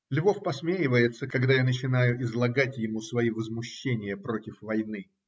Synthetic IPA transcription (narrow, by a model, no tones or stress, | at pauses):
lʲvo̞fpɐsmʲejɪvəjɪt̪səkɐɡd̪ajanət͡ɕɪnajʊʔɪzlˠɐɡatʲjɪmusvɐivəzmʊɕːenʲɪjəpɾo̞tʲɪfvɐjnɨ